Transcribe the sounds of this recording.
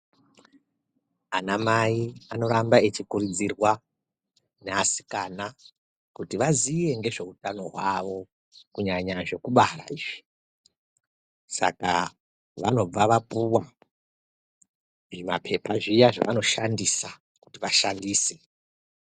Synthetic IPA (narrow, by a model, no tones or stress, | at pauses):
anamaiano̞ɾambae̞t͡ʃikurid͡zirwa | neasi̥kana | kutiʋazije̞ŋɡe̞ʐe̞utano̞ɦwaʋo̞ | kuɲaɲaʐe̞kuɓara̰iːʐi̥ | sa̰ka̰ | ʋa̰no̞b͡vaʋapuwa | ʐimapʰe̞paʐijaʐa̰ʋano̞ʃandisa | ku̥tiʋaʃandiːse